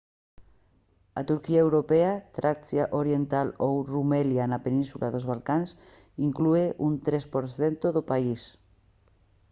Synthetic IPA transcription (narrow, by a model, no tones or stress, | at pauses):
a̰t̪uɾkiaewɾopeat̪ɾʔaksjaʔoɾjent̪alowrumeljanapenĩnsulʔaðozβalkans | iŋklueʔunt̪ɾespoɾθent̪oðopais